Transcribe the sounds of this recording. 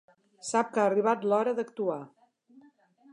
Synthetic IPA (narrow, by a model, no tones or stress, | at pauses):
sap̚kaəriβ̞at̪lɔɾəðəkt̪ua